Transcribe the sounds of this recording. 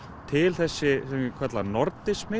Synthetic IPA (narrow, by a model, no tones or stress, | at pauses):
t̪ʰɪlθɛsːɪɛmkʰvɛt̪lanɔɾt̪ɪsmɪ